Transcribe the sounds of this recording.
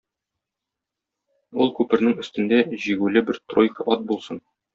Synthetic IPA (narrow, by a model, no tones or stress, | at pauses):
ulˠkʉpɘ̆ɾnɘŋɵ̆st̪ɘ̆nd̪æʑiɡʉlɘbɘɾt̪rojkəʔɒt̪̚bulˠsɤn